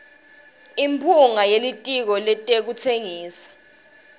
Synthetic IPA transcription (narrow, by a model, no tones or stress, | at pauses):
impʰuŋajelitʼik̬ɔlɛtʼek̬utʰeŋiːsḁ